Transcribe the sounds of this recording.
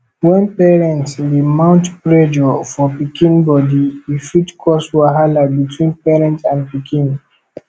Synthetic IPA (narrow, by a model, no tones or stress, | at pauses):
wɛ̃npɛɹɛ̃ntsdimãʊ̃ntpɹɛd͡ʒɔfɔpikʰĩnbɔdiifitkʰɔswaɦalabitʰwĩnpɛɹɛ̃ntãnpikʰĩn